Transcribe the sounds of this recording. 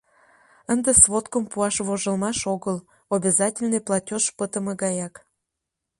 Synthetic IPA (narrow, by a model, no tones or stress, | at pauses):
ənd̪esvot̪kəmpuɑʃβoʒəlmɑʃoɣəl | obʲezɑtʲɪlʲnɨjplˠɑtʲoʃpət̪əmə̆ɡɑjɑk